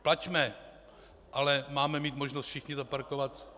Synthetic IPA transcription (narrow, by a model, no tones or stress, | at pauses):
placmɛ | ʔalɛmaːmɛmiːt̪mo̞ʒnost̪fʃɪxɲɪzapaɾko̞vat̪